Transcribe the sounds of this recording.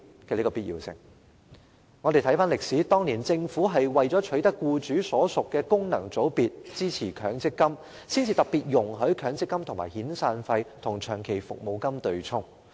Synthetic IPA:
kɛː˧liː˥kɔː˧pi˥t̚jḭː˨˩wsɪ̰˨˩ŋ | ŋɔ˨˧e˨jt̪ʰɐ˨˥jfaː˥nlɪ˨k̚siː˨˥t̪ɔː˥ŋniː˨˩nt͡sɪ˧ŋfuː˨˥ɦɐ˨jwɐ˨jt͡sɔː˨˥t͡ʃʰɵ˨˥ɥt̪ɐ˥kːuː˧t͡syː˨˥sɔː˨˥sʊ˨kːɛː˧kʊ˥ŋnɐ˨˩ŋt͡so˨˥wpiː˨t̚t͡siː˥t͡sʰiː˨˩kʰœː˨˥ŋt͡sɪ˥kːɐ˥m | siː˥nt͡sʰiː˨˧t̪ɐ˨k̚piː˨t̚jʊ˨˩ŋɦɵ˨˥ɥkʰœː˨˥ŋt͡sɪ˥kːɐ˥mt̪ʰŋmaː˨˩jhiː˨˥nsaː˧nfɐ˧jt̪ʰʊ˨˩ŋt͡ʃʰœː˨˩ŋkʰe˨˩jfʊ̰˨k̚mo˨˧wkɐ˥mt̪ɵ˨ɥt͡sʰʊ˥ŋ

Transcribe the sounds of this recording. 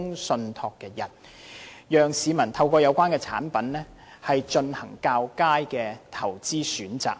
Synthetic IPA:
ŋsɵ˧nt̪ʰɔː˧kːɛː˧jɐ˨˩n | jœː˨ŋsiː˨˧mɐ˨˩nt̪ʰɐ˧wkɔː˧jɐ˨˧wkʷaː˥nkɛː˧t͡sʰa̰ː˨˥npɐ˨˥nnɛː˥hɐ˨jt͡ʃɵ˧nhɐ˨˩ŋkaː˧wkaː˥jkɛː˧t̪ʰɐ˨˩wt͡siː˥syː˨˥nt͡sa̰ː˨k̚

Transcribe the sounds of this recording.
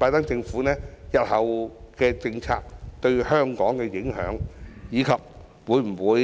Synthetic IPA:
paː˧jt̪ɐ˥ŋt͡sɪ˧ŋfu˨˥nɛː˥jɐ˨t̚hɐ˨wkɛː˧t͡sɪ˧ŋt͡sʰa̰ː˧k̚t̪ɵ˧ɥhœː˥ŋkɔː˨˥ŋkɛ˧jɪ˨˥ŋɦœ̰ː˨˥ŋjiː˨˧kʰɐ˨p̚ | wuː˨˧˥jm̩˨˩wuː˨˧

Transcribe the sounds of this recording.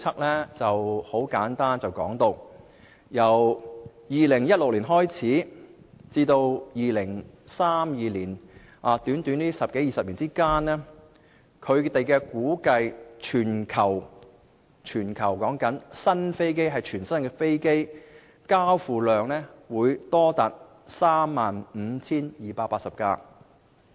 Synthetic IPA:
t͡sʰɐ˥k̚lɛː˥t͡sɐ˨who˨˥wkaː˨˥nt̪aː˥nt͡sɐ˨wkɔ̰ː˨˥ŋt̪o˧w | jɐ˨˩w | jiː˨lɪ˨˩ŋjɐ˥t̚lʊ˨k̚liː˨˩nɦɔː˥jt͡sʰiː˨˥ | t͡siː˧t̪o˧wjiː˨˧lɪ˨˩ŋ | saː˥mjiː˧liː˨˩n | ʔaː˨˧t̪yː˨˥nt̪yː˨˥nliː˥sɐ˨p̚ke˨˥jiː˨˧sɐ˨p̚liː˨˩nt͡siː˥kaː˥nɛː˥ | kʰɵ˨˧ɥt̪e˨jkɛː˧kuː˨˥kɐ˧jt͡ʃʰyː˨˩nkʰɐ˨˩w | t͡ʃʰyː˨˩nkʰɐ˨˩wkɔː˨˥ŋkɐ˨˥nsɐ˥nfe˥jk̬e˥jɦɐ˨jt͡ʃʰyː˨˩nsɐ˥nkɛː˧fe˥jke˥j | kaː˥wfuː˨lœː˨ŋnɛː˥wuː˨˧jt̪ɔː˥t̪aː˨t̚ | saː˥mːaː˨nm̩˨˧˥t͡sʰiː˥njiː˨˩paː˧paː˧tsɐ˨p̚ka̰ː˧

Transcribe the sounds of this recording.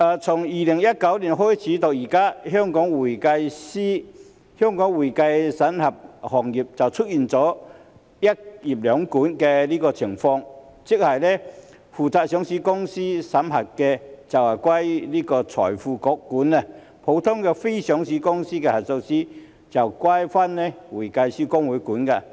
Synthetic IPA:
ʔaː˨t͡sʰʊ˨˩ŋjiː˨lɪ˨˩ŋjɐ˥t̚kɐ˨˥wli˨˩nɦɔː˥jt͡sʰiː˨˥t̪ʊ˨k̚jiː˨˩kaː˥ɦœː˥ŋkɔː˨˥ŋwuː˨˩jkɐ˧jsiː˥ | hœː˥ŋkɔː˨˥ŋwuː˨˩jka˧jsɐ˨˥nhɐ˨p̚hɔː˨˩ŋji˨p̚t͡sɐ˨˩wt͡sʰɵ˥t̚jiː˨nt͡sɔː˨˥ | jɐ˥t̚ji˨˩p̚lœː˨˥ŋkuː˨˥nkɛ˧liː˥kɔː˧t͡sʰɪ˨˩ŋfɔː˧ŋt͡sɪ˥k̚hɐ˨jlɛ˥ | fuː˨˩t͡saː˧˩k̚sœː˨˥ŋsiː˨˥kʊ˥ŋsiː˥sɐ˨˥mɦɐ˨˩t̚kːɛ˧t͡sɐ˨˩whɐ˨˩kwa˥jliː˥kɔː˧t͡sʰɔ̰ː˨˩jfuː˧kɔ˨˥kːuː˨˥nːɛ˧ | pʰo˨˥wt̪ʰʊ˥ŋkɛ˧fe˥jsœ˨˥ŋsi˨˥kʊ˥ŋsiː˥kɛ˧hɐ˨˩t̚so˧siː˥ | t͡sɐ˨˩wkwa˥jfa˥nnɛ˥˩wu˨˩jka˧jsiː˥kʊ˥ŋwu˨˥jkuː˨˦nka˧

